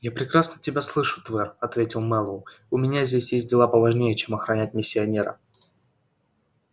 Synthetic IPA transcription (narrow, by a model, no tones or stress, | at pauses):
japɾʲɪkɾasnətʲɪbʲaslˠɨʂʊ̥t̪vɛrɐt̪vʲetʲɪlˠmɛlˠə | ʊmʲɪnʲazʲdʲesʲjesʲt̚ʲdʲɪlˠapəvˠɐʐnʲejət͡ɕe̞mɐxɾɐnʲæt̚ʲmʲɪsʲːɪɐnʲe̞ɾə̰